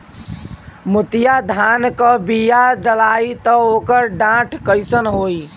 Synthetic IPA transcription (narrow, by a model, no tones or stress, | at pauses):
mut̪jad̪ʱankəbijad͡ʒəlait̪əokəɾɖãʈʰkəjsənɦoi